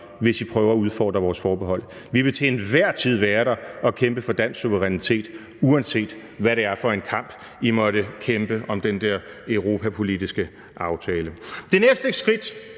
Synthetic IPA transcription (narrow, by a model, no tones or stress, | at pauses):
ʋe̝sipʰʁœːʊɐɒuð̞ˠfɒ̰ːd̥ʁɐʋɒːsfɒːb̥eɦɒ̽l̰ | ʋiʋe̝t͡sʰḛnʋæɐ̰t͡sʰið̞̰ˠʋæːɐɾɑ̈ɒ̽kʰemb̥əfɒ̽d̥æn̰sːuʋəʁɛnit͡sʰe̝̰ːd̥ | uænse̝̰ːd̥ | ʋæɾe̝æɐfɒ̽e̝nkʰɑ̈m̰b̥ | imɒ̽ɾəkʰemb̥əʔɒ̽md̥end̥ɛɐ̰ | øʊʁo̝ːpʰæpʰo̝lidisɡ̥ə | ʔɑ̈ʊt͡sʰɛːləd̥e̝nesd̥əsɡ̥ʁid̥